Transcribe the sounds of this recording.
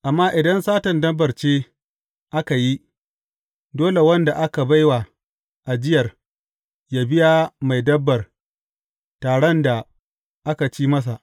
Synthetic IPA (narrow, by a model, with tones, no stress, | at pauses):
ʔa˨mːaː˦ʔɪ˨dɐ˦nsaː˦tɐ˨ndɐ˦bːɐ˨rt͡ʃeː˦ | ʔa˦ka˨ji˦ | doː˦le˨wɐ˦nda˨ʔa˦ka˨ba˦jwa˨ | ʔa˨d͡ʒɪ˦jɐ˨r | jaː˦bɪ˦jaː˦ma˨jdɐ˦bːɐ˨r | taː˨ɽɔ˦nda˨ | ʔa˦ka˨t͡ʃiː˦mɐ˦s̬a˨ʔ